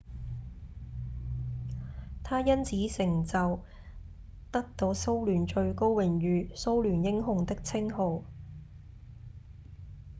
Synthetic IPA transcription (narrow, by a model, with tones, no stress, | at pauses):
t̪ʰaː˥jɐ˥nt͡sʰiː˨˥sɪ˨˩ŋt͡sɐ˨w | t̪ɐ˥k̚t̪o˧wso˥wlyː˨˩nt͡ʃɵ˧ɥko˥wwɪ˨˩ŋjyː˨˧so˥wlyː˨˩njɪ˥ŋɦʊ˧ŋt̪ɪ˥k̚t͡sʰɪ˥ŋɦo˨˧w